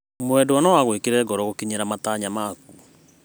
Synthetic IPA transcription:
mwɛdowanɔwaɣwekeɾɛɡɔɾɔɣokiɲeɾamataːɲamaku

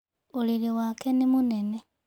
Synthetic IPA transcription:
oliliwakenimunene

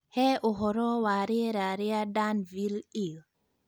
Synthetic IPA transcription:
hɛʔɔɦɔɾɔwaːɾiɾaɾiadanvilil

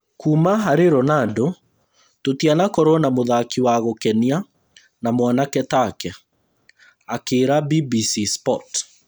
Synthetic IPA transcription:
kuːmaɦaɾeɾɔnado | totianakɔɾwɔnamoðakiwaɣokɛnia | namwanakɛtakɛ | akeːɾabibisispɔt

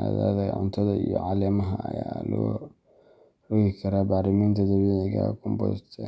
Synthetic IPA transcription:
aða̰ːðɐʕʊ̰nt̪ʰɐðɐijɔʕɑːlɛːmɐɦɐɐ̰jaːlɔː | rʊɣɪkʰɐɾaːbaːɾɪmiːnt̪ʰɐd̪ɐβiːʕɪɣa̰kʰʊmbɔðt̪ʰɛ

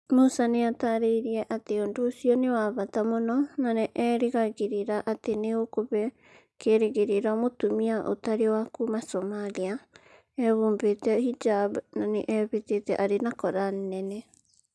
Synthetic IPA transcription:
musaneataɾeiɾiɛʔateondoːsiɔnewaːβatamonɔnanɛʔɛːɾeɣaɣeɾeɾaʔateneokoβɛ | keɾeɣeɾeɾamotomiaʔo̰taɾewakumasomalia | ɛβuːmbetɛhid͡ʒabnanḛʔɛβetetɛ̰ʔaɾenakɔɾannɛnɛ

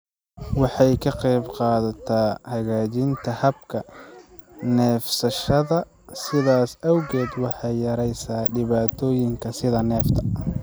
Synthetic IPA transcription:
wɑħɑjkʰɐqɛjbqɑːðɐt̪ʰaːhɐɣaːt͡ʃɪnt̪ʰɐhɐb̚kʰɐ | nɛːfsɐʃɐðɐ | sɪðaːsʔɐwɣɛːd̪wɑħɑjːɐɾɛjsaːɖɪβaːt̪ʰɔːjɪŋkʰɐsɪðɐnɛːft̪ʰɐ̥

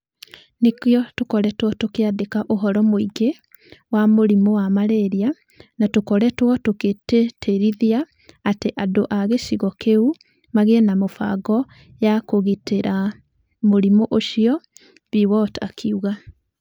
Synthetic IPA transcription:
nekjɔtokɔɾɛtwɔtokeaðekaʔoɦɔɾɔmoiɡe | wamoɾimowamaɾeɾia | natokɔɾɛtwɔtoketeteɾiðiaː | teʔadoʔaɣeʃiɣɔkeu | maɣenamofa̰ɣɔ | jakoɣiteɾa | moɾimoʔoʃiɔ | βiwɔtakʰiuɣa

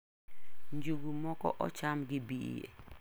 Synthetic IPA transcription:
ɲd͡ʒuɡumɔkɔ̰ʔɔ̰t͡ʃamɡibiḛ

